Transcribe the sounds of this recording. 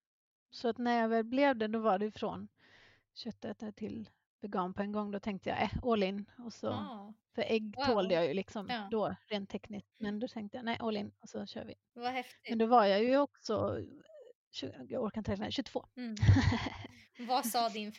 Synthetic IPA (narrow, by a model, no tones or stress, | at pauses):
sɔat̪næɾjɑɡvɛːlblɛvd̪ɛd̪ɔvaɖɛjfɾɔ̰n | ɕœt̪ːaɛt̪ːʈ̪ʰɪl | b̥ɛɡɑːnpʰɔɛnɡɔŋːd̪ɔt̪ʰɛŋk̚t̪əja̰ʔɛoːlɪnɔsɔ̰fœɾʔɛɡːt̪ʰoːld̪əjajɵlɪksɔmd̪ɔɾeːnt̪ʰːɛknɪsk̪mɛnd̪ɔt̪ʰɛŋkt̪əjanɛɪʔoːlɪnɔsɔɕø̰ːɾvɪ̰ | vahɛmɛnd̪ɔvaɾjajɵɔksɔ̰ | ɕʉ̰ːaɡɔɾkanʰɾɛk̪la̰ɕʉt̪v̥oː | vasɑːd̪ɪn